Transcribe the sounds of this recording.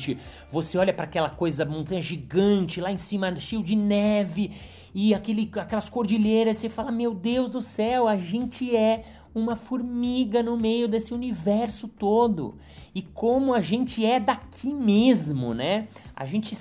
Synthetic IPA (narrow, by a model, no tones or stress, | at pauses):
t͡ʃɪ | voseɔʎɐpɾakɛlɐkojzɐmõnt̪ɐ̃ɲɐʒiɡɐ̃nt͡ʃɪlaẽsĩmɐʃejʊd͡ʒɪnɛvɪ | ɪakelɪakɛlɐskoɾd͡ʒiʎejɾɐssefalɐmewd̪ewzd̪ʊsɛwaʒẽnt͡ʃɪɛ | ũmɐfuɾmiɡɐnʊmejʊd̪esɪunivɛɾsʊt̪od̪ʊ̰ | ɪkʰõmʊaʒẽnt͡ʃɪɛd̪akʰimezmʊ̰nɛa̰ʒẽnt͡ʃɪ